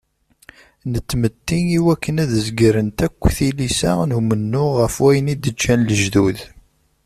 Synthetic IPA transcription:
nət͡s̪ːmət̪ːiniwækːənæðəzɡɾənt̪ækʷːθilisæ̰numənːʊʁːəfwæjənid̪ət͡ʃːænləʒðuð

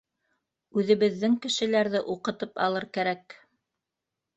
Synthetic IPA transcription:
ʉðɘ̆βɘ̆ðːɘŋkɘ̆ʃɘ̆læɾðɘʔuqɤ̆t̪ɤpɑ̰lˠɤɾkæɾæk

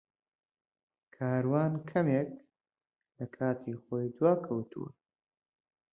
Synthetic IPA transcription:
kʰaːɾwaːnkʰɐmeːk | lɐkʰaːt̪ʰiχoːjd̪waːkʰɐwt̪ʰṵwɐ̰

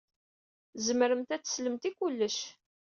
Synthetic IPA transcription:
zəməɾəmt̪æt͡sːsləmt̪ikulːəʃ

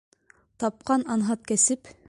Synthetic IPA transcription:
t̪ɑp̚qɑnɑnɦɑt̪̚kæsɘp

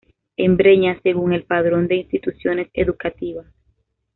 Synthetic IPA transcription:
embɾe̞ɲase̞ɣuŋe̞lpaðɾo̞nd̪e̞inst̪it̪usjo̞ne̞se̞ðukat̪iβas

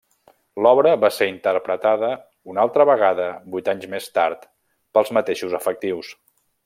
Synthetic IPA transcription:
lɔβɾəβaseɾint̪əɾpɾət̪aðə | unalˠt̪ɾəβəɣ̞aðəbujt̪aɲzmest̪aɾt̪ | pəlˠzmət̪eʃuzəfək̚t̪iws

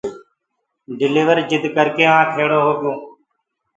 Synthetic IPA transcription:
ɖɪliːʋəɾd͡ʒɪd̪ʱkəɾkeːãːkʰeːɽoːɦoːɡjõː

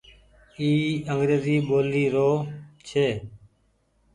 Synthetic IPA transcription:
iːəŋɡɾeːziːɓoːliːɾoːt͡ʃʰeː

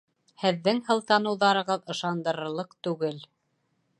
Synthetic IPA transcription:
hɘ̆ðːɘŋhɤ̆lˠt̪ɑnɤ̆wðɑɾɤ̆ʁɤðɤ̆ʃɑnd̪ɤ̆ɾɤ̆ɾlˠɤqt̪ʉɡɘl

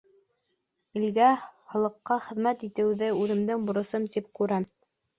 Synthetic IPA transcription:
ɘ̆lɡæhɤ̆lˠɤ̆qːɑχɘ̆ðmæt̪it̪ɘ̆wðɘʉðɘ̆md̪ɘŋbŏɾɤ̆sɤmt̪ip̚kʉɾæm

